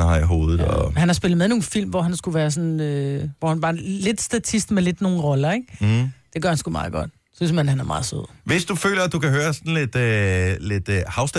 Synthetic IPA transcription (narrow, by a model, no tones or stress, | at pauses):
hɑiɦo̝̰ːðˠð̩ˠɒhænhɑ̈sb̥e̝lð̩ˠmeðˠno̝ːn̩fil̰mʋɒɦænsɡ̥uʋæːɐs̬ɔ̽nøʋɒhænb̥ɑ̈ːle̝d̥sd̥æt͡sʰisd̥meled̥no̝ːn̩ʁɒ̽lɐeɡ̥d̥e̝ɡ̥ɶɐhænsɡ̥umɑ̈ːð̩ˠɡ̥ɒ̽d̥ | sysmænhænæɐmɑ̈ːð̩ˠsøð̰ˠʋe̝sd̥ufø̰ːlɐæd̥ukʰæɦøːɐsɒn̩le̝d̥led̥hɑ̈ʊsd̥